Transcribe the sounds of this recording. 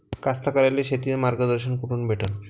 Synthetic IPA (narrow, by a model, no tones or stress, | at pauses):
kast̪ʰakəɾaleɕet̪iemaɾɡəd̪əɾɕənkuʈʰuːnbʱeʈʰən